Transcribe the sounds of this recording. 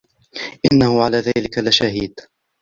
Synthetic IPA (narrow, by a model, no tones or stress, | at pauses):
ʔɪnːahʊʕalaːðaːlɪkalɪʃahiːd̪